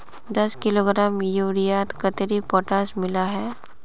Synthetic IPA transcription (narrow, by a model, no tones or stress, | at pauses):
d̪ɐskɪloːɡɾaːmjuːɾijaːt̪kɐt̪eɾipɔːʈaːsmɪlaɦɛː